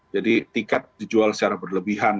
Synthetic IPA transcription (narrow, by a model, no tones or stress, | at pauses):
d͡ʒadit̪ikɛt̪̚did͡ʒualsə̥t͡ʃaɾabərləbiɦan